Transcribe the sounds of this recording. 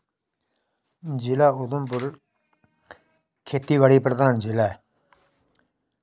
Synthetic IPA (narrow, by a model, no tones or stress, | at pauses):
ɲd͡ʑilaot̪onpor | kʰet̪iwaɾipart̪aŋɲd͡ʑila